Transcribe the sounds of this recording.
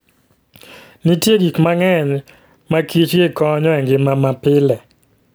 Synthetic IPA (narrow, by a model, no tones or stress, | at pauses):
nitjeɡikmaŋɛɲ | makʰit͡ʃɡɪkɔɲɔɛŋɡɪmamapɪlɛ